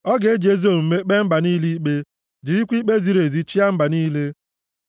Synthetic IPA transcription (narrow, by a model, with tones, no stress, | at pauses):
ɔ˦ɡe˨˦d͡ʒe˦zo˦˨m̩˨me˦k͡pe˦m̩˦ba˨ni˦li˦k͡pe˦ | d͡ʒi˨ɾi˦kʷi˦k͡pe˦zi˨ɾe˨zi˨t͡ʃi˦a˦m̩˦ba˨niː˦le˦